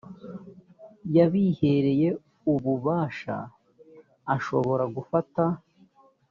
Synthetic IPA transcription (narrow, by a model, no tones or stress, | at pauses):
jaβihe̞ɾe̞je̞ | uβuβaːʃa̰ː | ʃo̞βo̞ɾaɡufata